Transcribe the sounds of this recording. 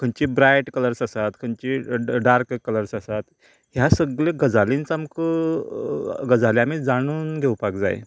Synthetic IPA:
kʰəɲt͡ɕibɾajʈkələɾsasat̪kʰəɲt͡ɕiɖaɾkkːələɾsəsat̪ | ɦjasəɡɭleɡəd͡zalint͡samkə | ɡəd͡zaleamid͡zaɽ̃uːnɡʱewpakd͡za̰jḛ

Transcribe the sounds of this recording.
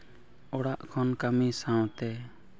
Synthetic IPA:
ɔɽaʔkʰɔnkamisãwt̪ɛ

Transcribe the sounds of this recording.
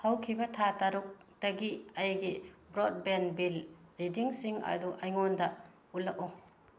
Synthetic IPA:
hɐwkʰibɐtʰataɾuk̚ | dɐɡiɐjɡibɾod̚benbilɾidiŋsiŋɐ̰duʔɐjŋondɐ | ulɐk̚u

